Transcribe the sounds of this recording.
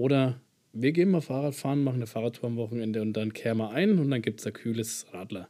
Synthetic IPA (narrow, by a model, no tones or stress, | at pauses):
ʔoːɾɐ | viːɐɡeːnmaːlfaːʁaːtfaːʁnmaχŋ̩nəfaːʁaːtʰuːɐamvɔχŋ̩ɛndəʊnt̚d̥ankʰɛːʁmaʔaɪnʊntd̥anɡiːp̚tsd̥aːkʰyːləsʁaːdlɐ